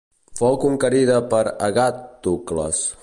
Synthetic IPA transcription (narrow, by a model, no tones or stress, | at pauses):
fɔwkuŋkəɾiðəpəɾəɣat̪ːuklə̰s